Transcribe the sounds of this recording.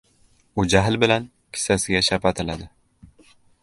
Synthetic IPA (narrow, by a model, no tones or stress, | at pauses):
ud͡ʒaɦlbɪlan | kʲʰɪ̥sasɪɡʲaʃapat̪ʰɪlad̪ɪ